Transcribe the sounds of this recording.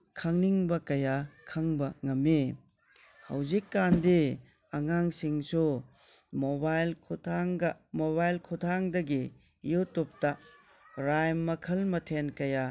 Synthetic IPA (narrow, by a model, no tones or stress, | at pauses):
kʰɐŋniŋbɐkɐjakʰɐŋbɐŋɐmːi | hɐ̰wzikːandi | ɐŋaŋsiŋsu | mobajlʰtʰaŋɡɐmoβajlkʰutʰaŋdɐɡi | jutup̚ta | ɾajmːɐkʰɐlmɐtʰenkɐja